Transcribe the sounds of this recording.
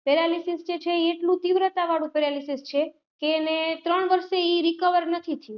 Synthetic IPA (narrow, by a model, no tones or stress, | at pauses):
pɛɾalisisd͡ʒet͡ʃʰeiːʈlũt̪iʋɾət̪aʋaɽũpɛɾalisist͡ʃʰe | keːnet̪ɾəɳʋəɾʃeiɾikəʋəɾnət̪ʰit̪ʰəjũ